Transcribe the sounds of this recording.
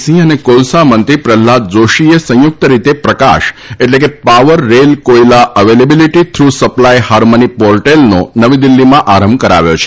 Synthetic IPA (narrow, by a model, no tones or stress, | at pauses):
sĩənekolsamənt̪ɾipɾɛlːad͡ʒoʃiesə̃jʊk̚t̪əɾit̪epɾəka̰ʃeʈlekepaʋəɾːelkojlaʔəʋelebiliʈit̪ʰɾusəplajhaɾmonipɔɾʈelno̰nəʋid̪ilːimãʔaɾəmbkəɾa̰ʋjo̰t͡ʃʰe̥